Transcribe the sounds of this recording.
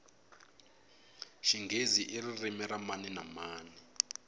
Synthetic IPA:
ʃiŋɡʱeziʔiririmɛɾamaninamaːni

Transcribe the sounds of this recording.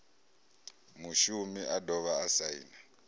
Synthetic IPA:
muʃumiʔadɔβaːsaḭna

